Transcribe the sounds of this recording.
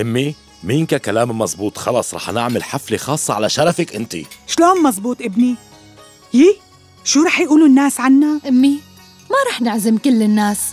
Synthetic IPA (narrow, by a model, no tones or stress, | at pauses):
ʔɪmːi | minkakalaːmmɑzˤbuːt̪ˤxɑlɑːsˤɾˤɑ̰ːħnɪʕmɪlħaflexɑːsˤːɑʕalaʃɑɾˤɑfɪkʔɪnt̪ḭʃloːnmɑzˤbuːt̪ˤʔɪbni | hiː | ʃuːɾˤɑːħjʔuːlunːaːsʕanːaʔɪmːi | maɾˤɑːħnɪʕzɪmkɪlːɪnːaːs